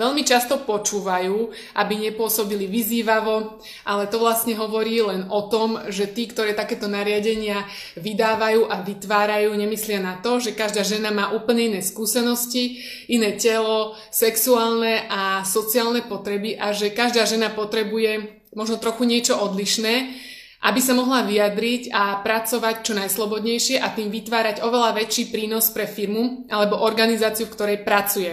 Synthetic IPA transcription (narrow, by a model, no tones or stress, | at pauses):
ʋɛʎmit͡ʃast̪ɔpɔt͡ʃuːʋajuː | ʔabiɲɛpʊɔsɔbiliʋiziːʋaʋɔ | ʔalɛt̪ɔʋlast̪ɲɛɦɔʋɔɾiːlɛnɔt̪ɔmʒɛt̪iːkt̪ɔɾɛːt̪akɛːt̪ɔnaɾɪaɟɛɲɪa | ʋid̪aːʋajuːʔaʋit̪ʋaːɾajuːɲɛmislɪanat̪ɔʒɛkaʒd̪aːʒɛnamaːʔuːpl̩ɲɛinɛːskuːsɛnɔsci | inɛːcɛlɔ | sɛksuaːlnɛʔasɔt͡siaːlnɛpɔt̪ɾɛbiʔaʒɛkaʒd̪aːʒɛnapɔt̪ɾɛbujɛ | mɔʒnɔt̪ɾɔxuɲɪɛt͡ʃɔʔɔd̪liʃnɛː | ʔa̰bisamɔɦlaʋijad̪ɾicapɾat͡sɔʋact͡ʃɔnajslˠɔbɔd̪ɲɛjʃɪɛʔat̪iːmʋit̪ʋaːɾaɟɔʋɛlaʋɛt͡ʃiːpɾiːnɔspɾɛfiɾmuʔalɛbɔʔɔɾɡanizaːt͡siufkt̪ɔɾɛjpɾat͡sujɛ